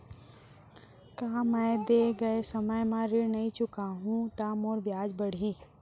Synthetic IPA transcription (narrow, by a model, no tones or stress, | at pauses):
kaːmɛ̃ːd̪eɡɐesɐməjmãɾɪnɐĩt͡ʃʊkaɦũt̪amoːɾbjaːd͡ʒbɐɽ̤ʱiː